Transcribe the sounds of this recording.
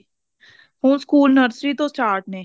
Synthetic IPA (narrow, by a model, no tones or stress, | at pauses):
hũːnskuːlnəɾsɾiːt̪õːsʈaːɾʈ̚nẽː